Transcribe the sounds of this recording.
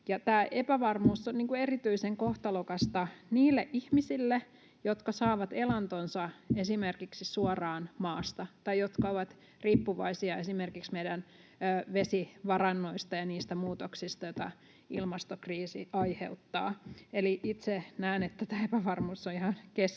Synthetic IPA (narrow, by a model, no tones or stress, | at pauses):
jɑt̪æːʔepæʋɑrmuːsːonniːŋkuerit̪yiseŋkoht̪ɑlokɑst̪ɑniːlːeʔihmisilːe | jot̪kɑsɑːʋɑt̪elɑnt̪onsɑesimerkiksisuorɑːnmɑːst̪ɑt̪ɑjot̪kɑoʋɑt̪ | riːpːuʋɑ̰isiɑesimerkiksmeidænː | ʋesiʋɑrɑnːoist̪ɑjɑniːst̪æmuːt̪oksist̪ɑjot̪ɑ | ḭlmɑst̪okriːsḭʔɑihḛut̪ːɑ̰ːeliʔit̪senæːnet̪ːæt̪æːepæʋɑrmuːsːoihɑnkes